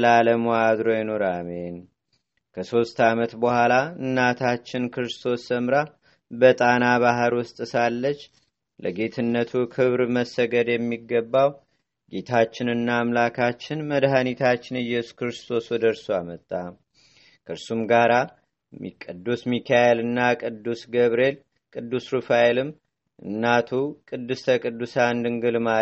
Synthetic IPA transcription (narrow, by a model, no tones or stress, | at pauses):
laləmuad̪ɾojɛnoɾamen | kʰəso̞st̪amət̪bəhʷalaɨnːat̪ʰat͡ʃːɪnkʰɨɾɨst̪ʰo̞sːəmɾa | bət̪ʼanaβaɦəɾwʊst̪ʼɨsalːət͡ʃː | ləɡe̞t̪ʰɨnːət̪ʰukʰɨβɾməsːəɡəd̪jɛmːiɡːəbːaw | ɡe̞t̪ʰat͡ʃːɪnɨnːaːmlakʰat͡ʃːɪnməd̪ɦanit̪ʰat͡ʃːɪnɨjɛsu̥kɾɨst̪ʰo̞swd̪əɾsoamət̪ʼːa | kʰɨɾsumɡaɾa | kʼɨd̪ːusmikʰajelɨnːakʼɨd̪ːusɡəβɾe̞l | kʼɨd̪ːusɾɨfajelɨm | ʔɨnːat̪ʰukʼɨd̪ːɨst̪ʰəkʼɨd̪ːusand̪ɨŋɡɨlma